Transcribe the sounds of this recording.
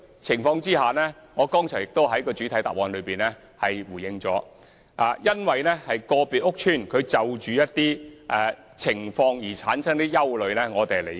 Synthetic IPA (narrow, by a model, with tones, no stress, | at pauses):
t͡sʰɪ˨˩ŋfɔː˧ŋt͡siː˥ɦaː˨nɛː˥ŋɔː˨˧kɔː˥ŋt͡ʃʰœː˨˩ŋjɪ˨k̚t̪o˥whɐ˨˥jkɔː˧t͡ʃyː˨˥t̪ʰɐ˨˥jt̪a̰ː˨˩wɔː˨˧nlɵ˨˧ɥpiː˨nɛː˥ | hɐ˨jwuː˨˩jɪ˧ŋt͡sɔ̰ː˨˥ | ʔaː˨jɐ˥nwɐ˨jnɛː˥hɐ˨jkɔː˧piː˨t̚ʊ˥k̚t͡ʃʰyː˥˩nkʰɵ˨˧ɥt͡sɐ˨˧wt͡ʃyː˨jɐ˥t̚t̪iː˥ʔɛː˧ | t͡sʰɪ˨˩ŋfɔː˧ŋjiː˨˩t͡sʰaː˨˥nsʰɐ˥ŋt̪iː˥jɐ˥wlɵ˨˧ɥnɛː˥ŋɔː˨˧t̪e˨le˨˩